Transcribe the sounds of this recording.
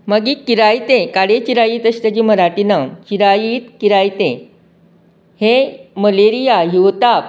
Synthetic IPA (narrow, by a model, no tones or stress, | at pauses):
məɡiːkiɾajt̪ẽkaɽet͡ɕiɾajiːt̪əɕt̪əd͡ʑiməɾaʈinat͡ɕiɾajiːt̪kiɾajt̪ẽ | heməleɾijajuʋt̪ap